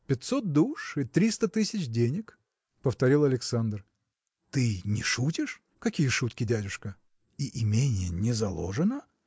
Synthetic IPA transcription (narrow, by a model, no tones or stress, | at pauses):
pʲɪt̪ʲsot̪̚d̪uʂɨt̪ɾʲist̪ət̪ɨsʲɪt͡ɕdʲenʲɪk | pəft̪ɐɾʲilˠɐlʲɪksand̪r | t̪ɨnʲɪʂutʲɪʂ | kɐkʲijəʂut̪kʲɪdʲædʲʊʂkə | iʔɪmʲenʲɪjənʲɪzɐlˠo̞̰ʐɨnə